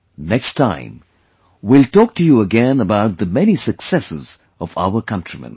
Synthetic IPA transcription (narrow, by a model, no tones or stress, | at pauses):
nɛkstʰãɪ̃m | wiltɔːk̚tɨjuəɡɛ̃nəbaʊt̪̚ðəmɛnisəksɛsɪ̰z | ɔva̰ʊəkʰʌ̃ntɹ̥imə̰̃n